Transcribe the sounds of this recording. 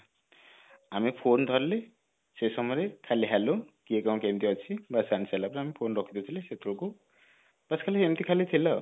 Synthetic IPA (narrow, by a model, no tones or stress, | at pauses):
amipʰond̪ʱɔɾle | sesɔmɔɾekʰaliɦalukiekaw̃kemt̪iɔt͡ʃʰibasanisalapɾamipʰonɾɔkʰi̥t̪ɔt̪ʰileset̪ʰɾɔku | baskʰaliemt̪ikʰalit̪ʰilɔ